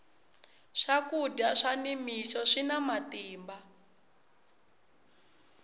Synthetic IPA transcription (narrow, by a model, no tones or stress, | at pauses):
ʂakudaʂanimisɔʂinamatiːmba